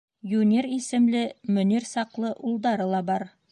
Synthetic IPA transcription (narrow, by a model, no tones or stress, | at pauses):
junʲe̞ɾisɪ̆mlɪmɵne̞ɾsɑqlˠəʔulˠd̪ɑɾəlˠɑbɑɾ